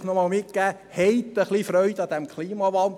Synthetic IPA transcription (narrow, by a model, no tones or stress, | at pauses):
nɔmɑːlmɪkkæː | hɛjt̪ːəχlifɾœʏd̪ɑd̥̪æmkʰχliːmɑʋɑnd